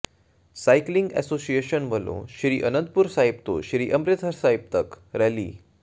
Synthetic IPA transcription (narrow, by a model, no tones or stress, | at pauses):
sajkliŋɡɛ̰sosieɕənʋəlõ̰ɕiɾiːʔənənt̪̚puɾsaɦip̚t̪o̰ɕɾiːʔəmɾit̪ʰəɾsaɦip̚t̪ək | ɾɛlḭː